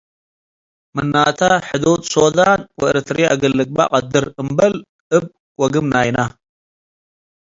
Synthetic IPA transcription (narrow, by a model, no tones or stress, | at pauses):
mɨnːaːt̪ʰaħɨd̪oːt̪ʼsod̪anwɐɨɾɨt̪ʰɾiʔa̰ɡɐlːɨɡ̚ba̰qʼɐd̪ɨɾɨmbɐl | ɨb̚ | wɐɡɨmnajna